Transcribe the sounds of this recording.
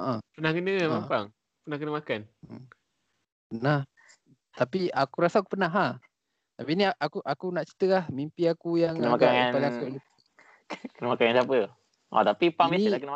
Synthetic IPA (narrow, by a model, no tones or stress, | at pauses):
əʔapənahkənəmapaŋ | pənahkənəmakan | pənah | t̪apiakuɾasaak̬u̥pənaɦah | t̪apiniaʔakuʔakunaʔt͡ʃi̥t̪əlahmimpiakujaŋənmakaŋapalakuʔlu | kənəmakaŋansapə | ʔa̰t̪apipaŋmeisakənəa